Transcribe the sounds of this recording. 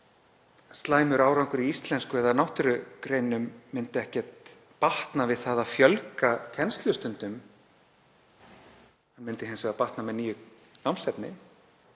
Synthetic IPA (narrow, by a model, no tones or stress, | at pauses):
st̪laːjmʏɾaːwɾawŋkʏɾiist̪lɛnskʏɛðanawht̪ʏɾʏkɾejnʏmːɪnt̪ɪɛhcɛt̪ | paht̪navɪðθaðaðfjœlkacʰɛnst̪lʏst̪ʏnt̪ʏm | hanmɪnt̪ɪɦɛnsvɛapaht̪namɛðniːjʏ | nawmsɛt̪nɪ̰